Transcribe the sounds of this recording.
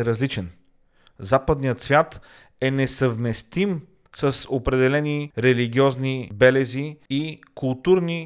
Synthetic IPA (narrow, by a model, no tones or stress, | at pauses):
ɾɐzlit͡ʃɛn | zapəd̪nijət̪svʲjat̪ | ɛnɛsəvmɛst̪im | səsopɾɛd̪ɛlɛniɾɛliɡ̟ʲiɔznibɛlɛziːkulˠt̪uɾni